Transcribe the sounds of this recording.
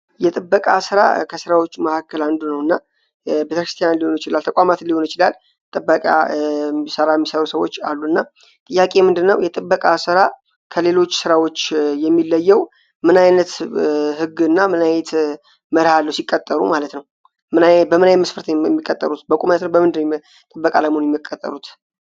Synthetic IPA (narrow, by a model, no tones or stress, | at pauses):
jɛt̪ʼɨbːəkʼasɨɾa̰kʰəsɨɾawo̞t͡ʃːuməhakʰːəland̪unəwɨnːa | bet̪əkɾɨst̪ʰjanliho̞njɪt͡ʃɪlalt̪ʰəkʼamat̪ɨlːiho̞nɪt͡ʃɪlal | t̪ʼɨbːəkʼa̰ | səɾajɛmːisəɾusəwo̞̰t͡ʃːalːuɨnːa | t̪ʼɨjːakʼe̞mɨnd̪ɨnːəwjɛt̪ʼɨbːəkʼasɨɾa | kʰəle̞lo̞t͡ʃːsɨɾawo̞t͡ʃːjɛmːilːəjːɛw | mɨnajnət̪hɨɡɨnːamɨnajɛt̪ | məɾhalːəwsikʼːət̪ʼːəɾṵmalət̪nəw | mɨnbəmɨnajməsfəɾt̪ʰɛmːikʼːət̪ʼːə̰ɾut̪bəkʷʼumalət̪nəwbəmɨnd̪ɨnəw | t̪ʼɨbːəkʼaləmonjɛmːəkʼət̪ʼːə̰ɾut̪